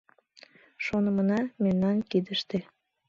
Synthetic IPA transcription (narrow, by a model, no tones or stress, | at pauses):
ʃonəmənɑmemnɑnkid̪əʃt̪e